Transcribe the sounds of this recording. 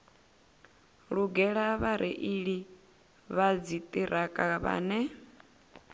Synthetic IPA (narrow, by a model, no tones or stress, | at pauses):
ɺuɡɛɺaβaɾʔɛ̰ʔiɺi | βad͡zit̪ʼiɾʔakʼaβa̰ːnɛ